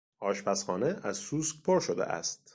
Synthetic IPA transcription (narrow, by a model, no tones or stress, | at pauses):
ʔɒːʃpʰæsxɒːneæzsuːskpʰoɾʃod̪ḛʔæ̰st̪̚